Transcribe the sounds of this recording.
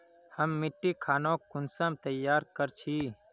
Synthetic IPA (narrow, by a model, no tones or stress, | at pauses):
həmːɪʈːikʰaːnõːkʊnsəmt̪əjːaːɾkəɾt͡ʃʰiː